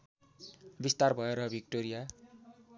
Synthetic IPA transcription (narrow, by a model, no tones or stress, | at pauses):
bist̪arbʱʌeɾʌbʱik̚ʈoɾija